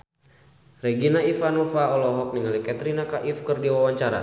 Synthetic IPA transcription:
rɛɡinaifanɔfaɔlɔɦɔk̚niŋalikat̪ɾinakaʔifkɨrdiwawaɲt͡ʃaɾa̰

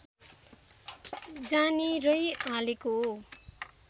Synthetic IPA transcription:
d͡zanirʌjaleko

